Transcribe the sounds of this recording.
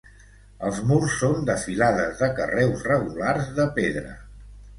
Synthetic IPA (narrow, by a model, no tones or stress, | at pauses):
əlˠzmursːond̪əfilaðəzðəkə̰rɛwzrəɣulaɾzðəpeðɾə̰